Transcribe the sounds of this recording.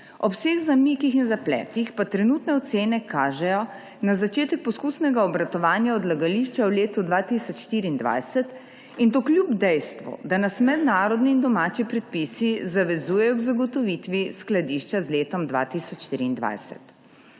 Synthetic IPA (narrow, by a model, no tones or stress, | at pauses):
ɔpseːɣzamikixinzaplɛ̰ːt̪ixpat̪ɾɛnut̪nɛɔt̪seːnɛkaːʒɛjɔ | nazat͡ʃeːt̪ɛk̚pɔskuːsnɛɡaɔbɾat̪ɔʋaːnjaɔd̪laɡaliʃt͡ʃawleːt̪ud̪ʋaːt̪isɔt͡ʃʃt̪iːɾiːnd̪ʋa̰jsɛt̪ | int̪oːklʲjubd̪ɛjst̪ʋɔ̰d̪anasmɛd̪naːɾɔd̪niːnd̪ɔmaːt͡ʃipɾɛt̪̚pisizaʋɛzuːjɛjɔɡzaɡɔt̪ɔʋit̪ʋisklad̪iʃt͡ʃazleːt̪ɔmd̪ʋa̰ːt̪isɔt͡ʃʃt̪iɾiːnd̪ʋa̰jsɛ̰t̪